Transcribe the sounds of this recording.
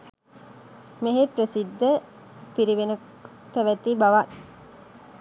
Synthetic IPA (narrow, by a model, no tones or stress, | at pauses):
meɦepɾəsid̪ːə | piɾiʋenə | pæʋæt̪ibaʋat